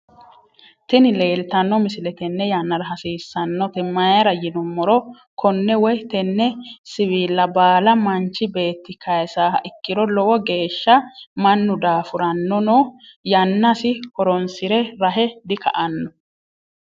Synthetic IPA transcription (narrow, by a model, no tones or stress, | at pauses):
t̪ɪnɪle̞ːlt̪ɐnːɔmɪsɪlɛt̪ɛnːɛjanːɐɾɐɦɐsiːsːɐnːɔt̪ɛmɐjɐɾɐjɪnʊmːɔɾɔ | kʰɔnːɛwɔjt̪ɛnːɛsɪβiːlːɐbaːlɐmɐnt͡ʃːɪbe̞ːt̪ːɪkɐjsaːʔɪkːɪɾɔlɔwɔɡe̞ːʃːɐmɐnːʊd̪aːfʊɾɐnːɔnojɐnːɐsɪhɔɾɔnsɪɾɛɾɐɦɛd̪ɪkɐ̰ʔɐnːɔ